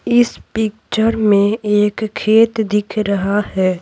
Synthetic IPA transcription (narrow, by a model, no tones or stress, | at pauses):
ɪspɪkt͡ʃəɾmẽeːkʰːeːt̪d̪ɪkʰɾɐɦahɛː